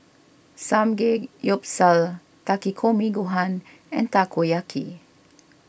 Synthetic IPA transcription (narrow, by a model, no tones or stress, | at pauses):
samɡekjɔp̚sal | t̪akikʰomĩɡuɦãn | ɛ̃nt̪akojakʰḭ